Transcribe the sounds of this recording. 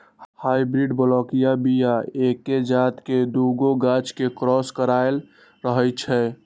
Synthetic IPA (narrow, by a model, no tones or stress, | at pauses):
haibɾiɖbəlɔkijabijaekːed͡ʒaːt̪ked̪uɡoɡat͡ʃkekɾɔskəɾael | ɾəɦət͡ʃʰɛ